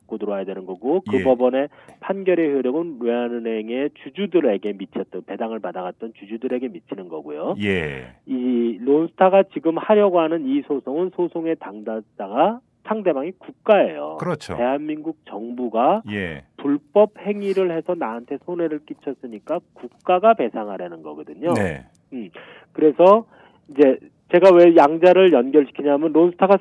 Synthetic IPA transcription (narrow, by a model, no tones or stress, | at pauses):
k͈odɯɾoajedwenɯnɡʌɡokɯbʌbʌne̞pʰanɡjʌɾe̞çjoɾjʌɡɯneanɯne̞ŋe̞t͡ɕud͡ʑudɯɾe̞ɡe̞mit͡ɕʰʌt̚t͈ʌnpe̞daŋɯɭpadaɡat̚t͈ʌnt͡ɕud͡ʑudɯɾe̞ɡe̞mit͡ɕʰinɯnɡʌɡujojeilonsʰɯ̥tʰaɡat͡ɕiɡɯmhaɾjʌɡoɦanɯnisʰosʰoŋɯnsʰosʰoŋe̞taŋdad͈aɡa | sʰaŋde̞maŋikuk̚k͈ae̞̰jo̰kt͡ɕʰte̞ɦanminɡuk̚t͡ɕʌŋbuɡajepuɭp͈ʌp̚he̞ŋiɾɯɭhe̞sʰʌnaɦantʰe̞sʰone̞ɾɯɭk͈it͡ɕʰʌs͈ɯɲik͈akuk̚k͈aɡape̞sʰaŋɦaɾenɯnɡʌɡɯdɯɲoe | kɯɾe̞sʰʌ | id͡ʑe̞ | t͡ɕe̞ɡawe̞jaŋd͡ʑaɾɯɭjʌnɡjʌɭɕʰi̥kʰiɲaɦmjʌnɾonsʰɯ̥tʰaɡa